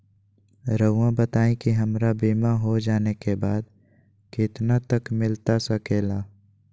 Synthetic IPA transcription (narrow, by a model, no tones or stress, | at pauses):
ɾəãbət̪aːẽkiɦɐmɾabiːmaɦod͡ʒaːnekebaːd̪ | kɪt̪nat̪əkmɪlt̪asɐkeːlaː